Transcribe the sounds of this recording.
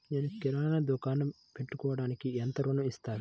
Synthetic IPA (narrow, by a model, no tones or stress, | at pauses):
neːnukiɾaːɐnɐd̪ukaːnɐm | peʈːukɔːʋɐɽaːnikient̪ɐɾunuist̪aːɾu